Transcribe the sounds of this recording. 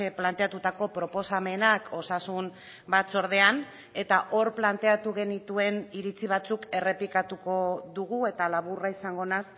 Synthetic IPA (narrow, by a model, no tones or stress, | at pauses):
eplant̪e̞at̪ut̪ako̞pɾo̞po̞same̞nakʰo̞sasum | bat͡so̞ɾð̞e̞an | e̞t̪aʔo̞ɾplant̪e̞at̪uɣ̞e̞nit̪ue̞niɾit͡siβ̞at͡suke̞re̞pikat̪uko̞ðuɣue̞t̪alaβuraisaŋɡo̞nas